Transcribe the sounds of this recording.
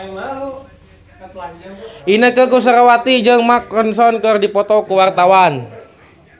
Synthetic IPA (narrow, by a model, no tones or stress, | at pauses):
inəkəkus̬əɾawat̪id͡ʒɨŋmakrɔns̬ɔnkərdipɔt̪ɔkuwart̪awan